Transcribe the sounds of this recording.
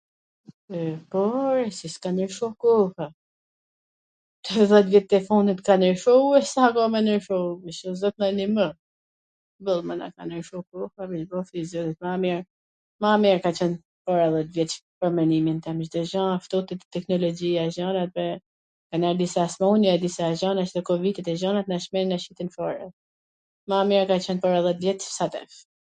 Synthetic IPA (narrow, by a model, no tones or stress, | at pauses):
pɔɾɛsiskanəɾʃɔkɔfa | t̪ɛðɛt̪vɛt̪ːɛfunət̪kanəɾʃɔuɛsakɔmɛnəɾʃɔəʃɔzɔt̪nanimə | bəlˠməna̰kanəɾʃɔkɔfavit͡ʃbɔθizɔðit̪̚mamɛɾ | mamɛɾkat͡ʃɛn | pɔɾaðɛt̪vjɛt̪pəɾmɛnimint̪ɛmʃd̪ɔʒãaft̪ɔt̪it̪t̪ːɛknɔlɔd͡ʑiaʒɔnat̪̚vɛ | kanaɾd̪isasmaunɛd̪isaʒanaʃd̪ɛkɔvit̪it̪ɛʒɔnat̪̚naʃmɛninaʃit̪infɔɾɛ | mamɛɾkat͡ɕɛnpɔɾaðɛt̪vjɛt̪sat̪ɛ̰f